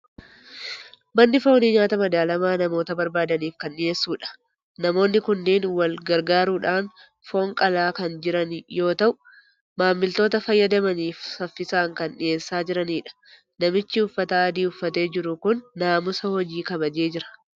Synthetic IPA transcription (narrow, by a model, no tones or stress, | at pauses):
mɐnːɪfo̞ːnɪɲaːt̪ɐmɐd̪aːlɐmaːnɐmo̞ːt̪ɐbɐɾbaːd̪ɐniːfkɐnːɪeːsːuːᶑɐ̥ | nɐmo̞ːnːɪkʊnːeːnwɐlɡɐɾɡaːɾuːᶑaːn | fo̞ːŋkʼɐlaːkɐnd͡ʒɪɾɐnjo̞ːt̪ɐʔʊ | maːmːɪlt̪o̞ːt̪ɐfɐjːɐd̪ɐmɐniːfsɐfːɪsaːŋkɐnᶑɪeːsːaːd͡ʒɪɾɐniːᶑɐ̥ | nɐmɪt͡ʃːɪʊfːɐt̪aːɐd̪iːʊfːɐt̪e̞ːd͡ʒɪɾʊkʊnːaːmʊsɐhɔd͡ʒiːkɐbɐd͡ʒe̞ːd͡ʒɪɾɐ̥